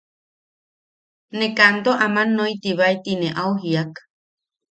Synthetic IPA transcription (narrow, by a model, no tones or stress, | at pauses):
nekand̪oʔamãnːojt̪iβaet̪inẽʔawɦiak